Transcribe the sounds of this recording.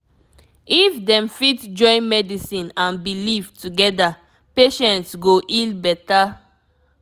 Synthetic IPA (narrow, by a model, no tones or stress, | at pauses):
ifdɛ̃mfitd͡ʒɔ̃ɪ̃nmɛdisĩnãnbilivtuɡɛda | peʃɛ̃ntsɡoʔilbɛta